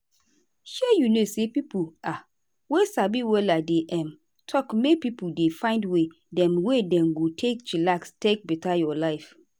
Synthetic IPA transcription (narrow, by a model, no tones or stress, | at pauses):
hɛjunosepipua | wesabiwɛladeʔɛ̃m | tʰɔkmepipudefãɪ̃ndwe | dɛ̃mwedɛ̃mɡotʰek̚t͡ʃilakstek̚bɛtajɔlaɪf